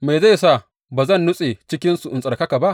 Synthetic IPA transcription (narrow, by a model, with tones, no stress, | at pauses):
ma˨za˦˨jsa˦˨ | baː˨zɐ˦˨nːʊ˦sʼe˨t͡ʃɪ˦kʲɪ˦nsu˨ʔʊ˨nsʼɐ˨rkɐ˦ka˨ba˦ʔ